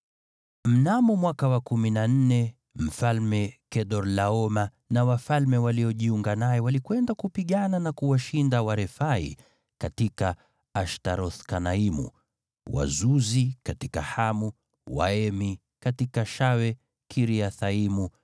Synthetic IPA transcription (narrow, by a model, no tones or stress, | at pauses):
m̩namɔmwakawakuminan̩nɛ | m̩falmɛkɛɗɔɾlaɔma | nawafalmɛwaliɔʄiuŋɡanajɛwalikwɛndakupiɠananakuwaʃindawaɾɛfaḭ | katikaː | ʃtaɾɔθkanaimṵ | wa̰zuzikatika̰hamu | wa̰ɛmi | katikaʃawɛ | kʰiɾiaθaimu